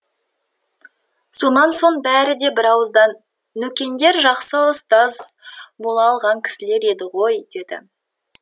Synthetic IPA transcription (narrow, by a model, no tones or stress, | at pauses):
so̞nɑnso̞ɴbæɾɪd̪e̞bɪɾɑwəzd̪ɑnː | ɵkʲe̞nd̪e̞ɾʒɑqsəʊst̪ɑz | bo̞lˠɑːlˠʁɑŋkʲʰɪ̥sɪle̞ɾe̞d̪ɪʁo̞jd̪e̞d̪ɪ̰